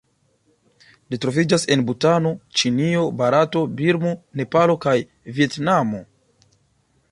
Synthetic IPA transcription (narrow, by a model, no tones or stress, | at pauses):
litɾo̞vid͡ʒase̞nbutano̞t͡ʃinio̞baɾato̞biɾmo̞ne̞palo̞kaj | vie̞tnamo̞